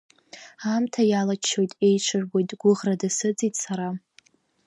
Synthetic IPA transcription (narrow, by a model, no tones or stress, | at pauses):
amtʰajalat͡ʃʰːo̞jtʼe̞jʈ͡ʂʷʰɨrɡo̞jtʼɡʷʊʁradɨsɨd͡zʼitʼsaɾa